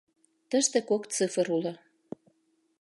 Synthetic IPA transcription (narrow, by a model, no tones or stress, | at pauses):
t̪ə̆ʃt̪ekok̪t͡sɨfə̆ɾulo